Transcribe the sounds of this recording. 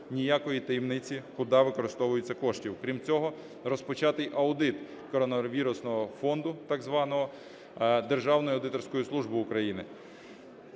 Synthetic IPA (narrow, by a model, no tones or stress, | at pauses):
nʲijakɔjit̪ɐjimnɪt͡sʲikʊd̪ɑʋɪkɔɾɪst̪ɔʋʊjet͡sʲːɐkɔʃtʲiwkɾʲimt͡sʲɔɦɔ | rɔspɔt͡ʃɑt̪ɪjʔɐwd̪ɪt̪ | kɔɾɔnɔʋʲiɾʊsnɔɦɔfɔnd̪ʊt̪ɑɡzʋɑnɔɦɔ | d̪erʒɑwnɔjʊɐwd̪ɪt̪ɔrsʲkɔjislˠuʒbɪʊkɾɐjinɪ